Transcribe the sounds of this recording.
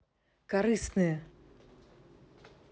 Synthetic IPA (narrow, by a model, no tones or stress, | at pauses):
kaɾɨsnɨjɐ